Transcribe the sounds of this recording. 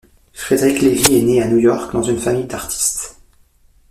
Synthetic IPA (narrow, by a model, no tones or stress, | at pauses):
fχed̪eʁikleviɛneanujɔʁkd̪ɑ̃zynfamijd̪aʁt̪ʰi̥st̪